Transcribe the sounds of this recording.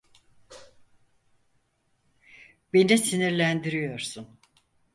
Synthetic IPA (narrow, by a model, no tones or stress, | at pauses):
bend͡ʒɛsiniɾlʲænd̪iɾijo̞ɾsun